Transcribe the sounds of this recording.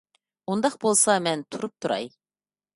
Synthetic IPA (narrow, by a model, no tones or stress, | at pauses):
und̪ɑqbolˠsɑmɛnt̪ʰuɾup̚t̪ʰuɾɑ̰j